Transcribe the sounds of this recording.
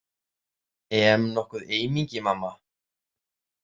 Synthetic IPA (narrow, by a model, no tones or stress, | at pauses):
ɛmnɔhkʏðeːjmiɲcɪmamːa